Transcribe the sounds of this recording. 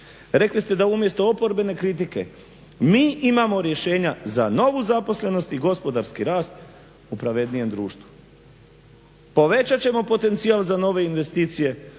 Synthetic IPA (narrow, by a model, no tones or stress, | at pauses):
ɾe̞klist̪e̞d̪aumje̞st̪o̞opo̞ɾbe̞ne̞kɾit̪̬ike̞̰ | miːʔimamo̞ɾje̞ʃe̞ːɲazano̞ʋuzapo̞sle̞no̞st̪iɡo̞spo̞d̪aɾskiɾaːst̪ | upɾaʋe̞d̪nije̞md̪ɾṵːʃt̪ʋu | po̞ʋe̞t͡ɕat͡ɕe̞mo̞po̞t̪e̞nt̪sialˠzano̞ʋe̞inʋe̞st̪iːt̪sije̞